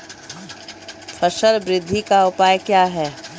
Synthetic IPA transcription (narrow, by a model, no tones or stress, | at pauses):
fʰəʃəlbɾɪd̪ʱːikaʊpaːjkjaːɦɛː